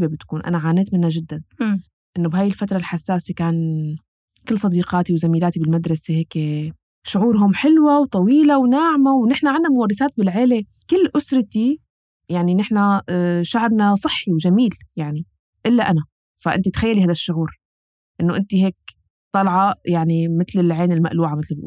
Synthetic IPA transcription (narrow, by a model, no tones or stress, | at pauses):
bebɪt̪kuːnʔa̰naʕaːneːt̪mɪnːaʒɪd̪ːan | ʔɪnːobhaːjɪlfat̪ɾˤɑlħasːaːsekaːn | kɪlːsˤɑd̪iːqɑːt̪iwzamiːlaːt̪ibɪlmad̪ɾˤɑseheːke | ʃʊʕuːɾɦʊmħɪlwawt̪ˤɑwiːlawnaʕmawnɪħnaʕanːamʊwɑrˤːɪθaːt̪̚bɪlʕeːle | kɪlːʔʊsɾˤɑt̪i | jaʕninɪħnaʃaʕɾnasˤɨħːiwʒamiːljaʕni | ʔɪlːaʔana | faʔɪ̰nt̪it̪xajːalihajd̪aʃːʊʕuːɾ | ʔɪnːoʔɪnt̪iɦeːk̚ | t̪ˤɑlʕɑjaʕnimɪt̪lɪlʕeːnɪlma̰ʔluːʕamɪt̪l̰